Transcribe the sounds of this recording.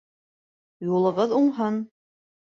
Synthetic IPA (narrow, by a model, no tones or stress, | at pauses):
julˠɤ̆ʁɤðuɴɦɤn